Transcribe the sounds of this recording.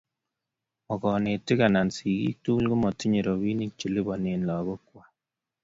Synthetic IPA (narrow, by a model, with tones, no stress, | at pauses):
ɔ˨kɔ˨ne˨ti˦ka˨na˨nsi˨kḭ˦k̚tu˦lɡu˦mɔ˨ti˦ɲe˨ɾo˨βi˦ni˦k̚t͡ʃu˨li˦bɔ˨ne˨nlɔ˨ɣo˦kwa˦